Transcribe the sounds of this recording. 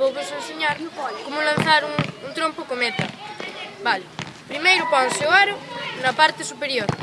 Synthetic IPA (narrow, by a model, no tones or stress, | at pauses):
oβesẽnsiɲaɾmeɔkomulɐ̃nθaɾũŋũnt̪ɾõmpokomet̪ɐ | βalɪpɾimejɾʊpɔsewaɾʊnɐpaɾt̪ɪsupeɾjoɾ